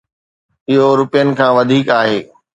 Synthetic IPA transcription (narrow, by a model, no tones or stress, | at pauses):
ɪɦoɾʊpijənɪ̆kʰãːʋɐd̪ʱiːkaːɦeː